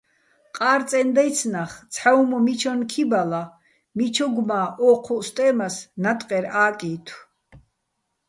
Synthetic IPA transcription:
qʼaːɾt̪t͡sʼɛnd̪ajt̪sʰnaχt̪t͡sʰħawmɔmit͡ʃʰɔnkʰibala | mit͡ʃʰɔɡmaːʔɔːqʰɔst̪ʼɛːmasnat̪ʼqʼɛɾaːkʼiːt̪ʰw

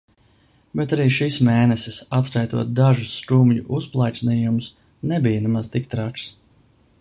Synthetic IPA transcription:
bet̪aɾiːʃismeːnɛsɪsat̪skajt̪uɔt̪̚d̪aʒusːɾumʎuʔusplˠajt̪sniːjumʊs | nebijənɛmazt̪ik̚t̪ɾaks

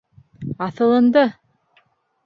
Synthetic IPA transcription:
ɑθɤ̆lˠɤ̆nd̪ɤ

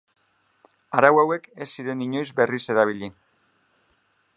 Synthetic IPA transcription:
aɾawawe̞ke̞sːiɾe̞niɲo̞jzbe̞rise̞ɾaβ̞iʎi

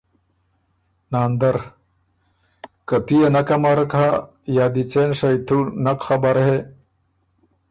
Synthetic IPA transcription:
naːnd̪ɐɾ | kat̪ijenɐkɐmaɾkha | jaːd̪it͡senʂɐjt̪ʰunɐkxabaɾhe

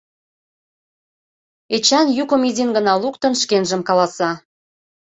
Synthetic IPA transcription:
et͡ɕɑnjukəmizinɡənɑlukt̪ə̆nʃkenʒəmkɑlɑsɑ

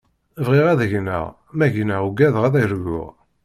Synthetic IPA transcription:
vʁiʁæðəʝnə̰ʁ | mæʝnəʁuɡæðʁæðæjɾɡʊ̰ʁ

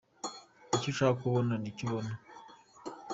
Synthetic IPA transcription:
iciʃakuβonaniciβona

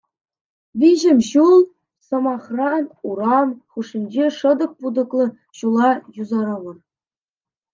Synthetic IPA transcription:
ʋʲiʑɘ̆mʲɕulˠ | sɤ̆mɑχrɑnuɾɑnχuʂinʲd͡ʑeʂɤ̆d̪ɤ̆k̚pud̪ɤ̆klˠɤ̆ | ɕulˠɑjuzɑɾɤʋɤ̆r

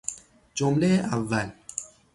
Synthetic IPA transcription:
d͡ʒomlejeʔavːæl

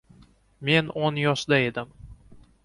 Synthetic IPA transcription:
me̞nonjɒʃd̪ae̞d̪ɪm

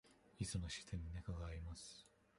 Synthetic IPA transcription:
isɨnoɕi̥t̪ʰẽɲ̟ːinakaɡaːɾʲimasɨ̥

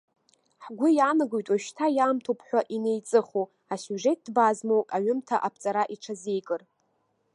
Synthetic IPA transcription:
ħɡʷʊjanɨɡojtʼwaʃtʰajamtʰopʰħᶣʷaʔine̞jt͡sʼɨχo | asuʐe̞t̚dbazmowkʼaɥʏmtʰaʔapʰt͡sʼaɾaʔiʈ͡ʂʰaze̞jkʼɨr

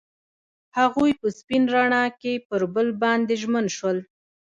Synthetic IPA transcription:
haɣujpəspinɾaɳɑkepəɾbəlbɑnd̪eʒmənʃwəl

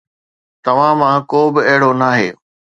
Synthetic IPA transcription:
t̪ɐʋ̤ãmãkoːbɪɐɦɪɽonaːɦeː

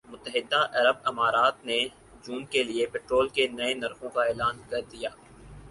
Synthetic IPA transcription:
mʊt̪ːəɦɪd̪ːaʔɐɾəb̚ɪmaːɾaːt̪ne | d͡ʒuːnkeliepeːʈɾoːlkenɐenɐɾxõkaeːlaːnkɐɾd̪ijaː

